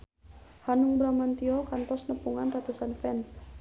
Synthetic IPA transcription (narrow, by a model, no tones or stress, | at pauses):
hanuŋbɾamant̪iɔkant̪ɔsnəpuŋanrat̪usanfɛns